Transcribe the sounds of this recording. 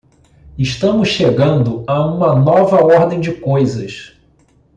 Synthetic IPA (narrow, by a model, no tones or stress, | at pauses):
ɪʃt̪ɐ̃mʊsʃeɡɐ̃nd̪ʊaũmɐnɔvɐɔɾd̪ẽj̃d͡ʒɪkojzɐʃ